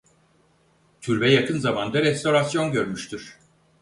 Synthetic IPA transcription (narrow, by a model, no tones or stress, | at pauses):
t̪ʰyɾbɛjakʰɯnzamand̪aɾɛst̪ʰo̞ɾasjo̞nɟøɾmyʃt̪ʰyɾ̥